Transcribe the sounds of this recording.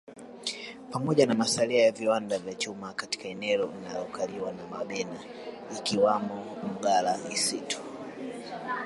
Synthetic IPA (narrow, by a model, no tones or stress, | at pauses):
pamɔʄanamasaliajaviwandavjat͡ʃumakati̥kaɛnɛlɔina̰jɔkʰaliwanama̰ɓɛna | ikiwamɔm̩ɡalaisitu̥